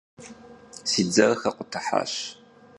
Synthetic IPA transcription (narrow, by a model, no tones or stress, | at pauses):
sid͡zɐrxɐqʷʊtʰɐħa̰ːɕ